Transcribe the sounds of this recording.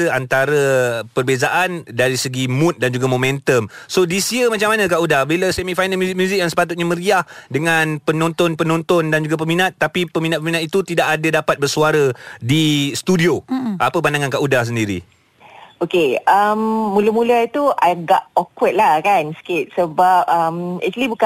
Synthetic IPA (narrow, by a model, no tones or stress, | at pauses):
əant̪aɾəpərbezaʔandaɾisəɡimũt̪̚dand͡ʒuɡamomɛ̃nt̪əmsodisiəmat͡ʃaŋmːanãk̬aʔudahbiləsemikfajnalmjuzik̚mjuzɪk̚jaŋsə̥pat̪ut̪̚ɲaməɾiahdəŋanpənɔ̃nt̪ɔnpənɔ̃nt̪ɔndand͡ʒuɡap̬əminat̪ːapipəminat̪̚pəminat̪̚it̪ut̪idaʔadədapat̪̚bərsuaɾədist̪udioʔapəp̬andaŋankaʔudahs̬əndiɾḭ | okeəmːuləmuləit̪uaɡaʔokwət̪̚lahkanskɪt̪̚səbap̚əmɛ̰k̚t͡ʃulibuk